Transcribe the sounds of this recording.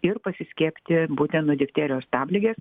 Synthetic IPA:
ɪɾpɐsʲɪsʲkʲiːpʲt̪ʲɪbuːt̪ʲɛnt̪oːd̪ʲɪkt̪ʲæːɾʲɪjoːst̪ɑːbʲlʲɪɡʲeːs

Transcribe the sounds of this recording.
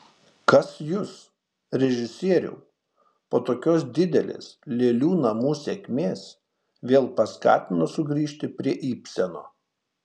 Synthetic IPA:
kɐsjʊs | ɾʲɛʒʲɪsʲiɛɾʲṵː | poːt̪oːkʲoːsd̪ʲɪd̪ʲɛlʲḛːslʲeːlʲuːnɐmuːsʲɛkʲmʲeːs | ʋʲeːlˠpɐskɑ̰ːt̪ʲɪnosʊɡɾʲiːʃʲt̪ʲɪpʲɾʲiɛʔiːpʲsʲɛnoː

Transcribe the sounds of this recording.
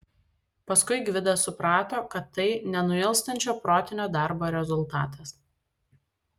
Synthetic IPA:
pɐskʊɪɡʋʲɪd̪ɐsʊpɾɑːt̪oːkɐt̪ːɐɪnʲɛnʊɪlˠst̪ɐnʲt͡ʃʲoːpɾoːt̪ʲɪnʲoːd̪ɑˑɾboːɾʲɛzʊlˠt̪ɑ̰ːt̪ʰɐs

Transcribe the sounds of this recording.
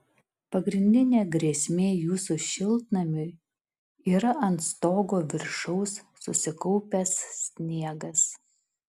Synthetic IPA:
pɐɡɾʲɪnʲd̪ʲɪnʲeːɡɾʲeːsʲmʲeːjuːsuʃʲɪlˠˑt̪nɐmʲʊ | iːɾɐʔɐnt̪st̪oːɡoːʋʲɪɾʃɐʊsːʊsʲɪkɔʊpʲɛssːʲnʲiɛɡɐs

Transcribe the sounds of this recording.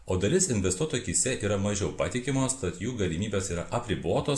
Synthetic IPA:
oːd̪ɐlʲɪsɪnʲʋʲɛst̪uɔt̪oːjkʲisʲɛʔiːɾɐmɐʒʲɛʊpɑːt̪ʲɪkʲɪmoːst̪ɐt̪juːɡɐlʲɪmʲiːbʲeːsiːɾɐʔɐpʲɾʲɪboːt̪oː

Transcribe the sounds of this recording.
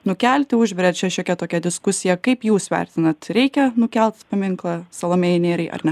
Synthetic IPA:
nʊkʲɛlʲt̪ʲɪʊʒʲʋʲɛɾʲɛt̪t͡ʃʲɛʃʲɛkʲɛt̪oːkʲɛd̪ʲɪskʊsʲɪjɛkɐɪpjuːsʋʲɛ̰rʲt̪ʲɪnɐt̪ɾʲɛɪkʲɛnʊkʲɛlʲˠt̪spɐmʲɪŋklˠɐsɐlˠoːmʲeɪnʲeːɾɐɪʔɐ̰rnʲɛ

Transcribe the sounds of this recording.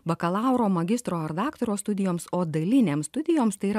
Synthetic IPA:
bɐkɐlˠɑˑʊɾoːmɐɡʲɪst̪ɾoːɐɾd̪ɑːkt̪oɾoːst̪ʊd̪ʲɪjoːmsoːd̪ɐlʲɪnʲeːmst̪ʊd̪ʲɪjoːmst̪ɐɪiɾɐ

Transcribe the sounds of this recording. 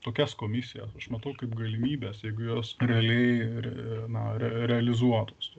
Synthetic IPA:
t̪oːkʲɛskoːmʲɪsʲɪjɛ̰sɐʃmɐt̪ɐʊkɐɪpɡɐlʲɪmʲiːbʲɛːsjɛɪɡʊjoːsɾʲɛɐlʲɛɪɾʲɛ̰nɐɾʲɛɾʲɛɐlʲɪzuɔt̪oːs

